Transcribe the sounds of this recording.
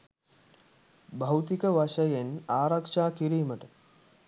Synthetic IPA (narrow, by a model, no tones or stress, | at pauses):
bɐwt̪ikəʋaʃəjenaːɾakʂaːkiɾiːməʈə